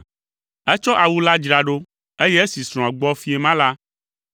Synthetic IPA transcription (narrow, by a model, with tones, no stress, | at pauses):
ɛ˦t͡ʃɔ˦ʔa˨wu˦la˦d͡ʒɾa˨ɖo˦ | e˦jɛ˦e˦si˨sɾ̃ɔ̃˨a˨ɡ͡bɔ˦fi˦e˨mã˦la˦